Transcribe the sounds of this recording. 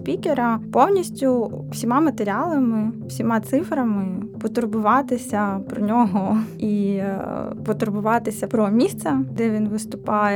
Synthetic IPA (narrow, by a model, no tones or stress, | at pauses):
sʲpʲikeɾɐpɔwnʲisʲtʲʊ | wsʲimɑmɐt̪eɾʲɪɑlˠɐmɪwsʲimɑt̪sɪfɾɐmɪpɔt̪ʊɾbʊʋɑt̪ɪsʲɐpɾɔnʲɔɦɔi | pɔt̪ʊɾbʊʋɑt̪ɪsʲɐpɾɔmʲist̪sɐd̪ɛʋʲinʋɪst̪ʊpɑjɛ